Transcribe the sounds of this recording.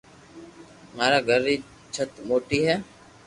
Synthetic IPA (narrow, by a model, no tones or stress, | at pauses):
maːɾaːɡʱəɾːiː | t͡ʃʰət̪moːʈiːɦɛː